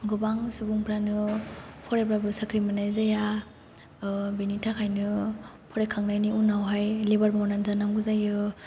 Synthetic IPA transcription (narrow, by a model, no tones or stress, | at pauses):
ɡubaŋsubuŋpɾanɯpʰɔɾepɾabɯsakʰɾimanajzaja | benitʰakʰajnɯ | pʰɔɾekʰaŋnajniunawɦajlebaɾbawnanzanaŋɡuzajɯ